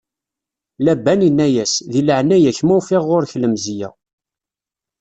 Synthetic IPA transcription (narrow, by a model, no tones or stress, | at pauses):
læbːæninːæjæsðiləʕnæjæçmufɪʁːʊɾçləmzjæ̰